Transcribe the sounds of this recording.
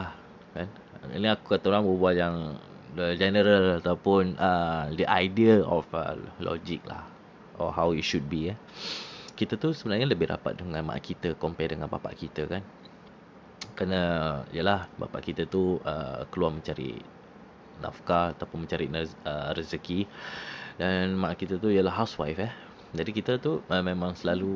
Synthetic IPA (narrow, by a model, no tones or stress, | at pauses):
ah | kan | ḭniaku̥kat̪aoɾaŋbəubuaʔjaŋ | dəd͡ʒɛnəɾəlat̪awpʊnʔədəʔajdiəɔ̰fə̰lɔ̰d͡ʒik̚la̰h | ɔ̰ɦawitʃud̚bia | kit̪ət̪usəbənarɲaləbɪhɾa̰pa̰t̪̚dəŋãnma̰ʔa̰ʔkit̪əkɔmpɛdəŋanba̰pa̰ʔkit̪əkan | kɾanəḭjəlahba̰pa̰ʔkit̪ət̪uə̰kəluarmə̃ɲt͡ʃaɾḭʔ | na̰fkaat̪awpʊnmə̃ɲt͡ʃaɾiʔnəɾəsəki | danmãʔakit̪ət̪uijəlaɦawswa̰jfɛh | d͡ʒadikit̪ət̪uəmẽmãŋsəlalu